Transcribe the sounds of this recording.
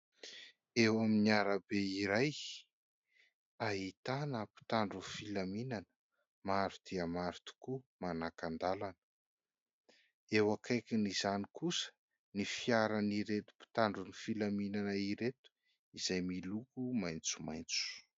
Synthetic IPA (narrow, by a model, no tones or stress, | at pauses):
ewaminiaɾabeiɾaj | aɦit̪anəpi̥t̪aɳɖ͡ʐufilaminanə̥ | maɾud̪̥iəmaɾu̥t̪u̥kumanakand̪alanə̥ | ewakʰajkinizanikusə̥ | nifiaɾaniɾet̪u̥pi̥t̪aɳɖ͡ʐunifilaminanaiɾet̪u̥ | iz̥ajmilukumajnt͡su̥majnt͡su̥